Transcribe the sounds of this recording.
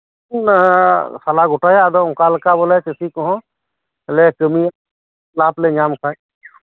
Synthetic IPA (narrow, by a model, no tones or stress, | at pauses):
n | sɐlaɡʊʈajad̪ɔʊkaːlkabolat͡ʃəsikɔɦɔ̃ | lekəmi | laːpled͡ʒaːmkʰa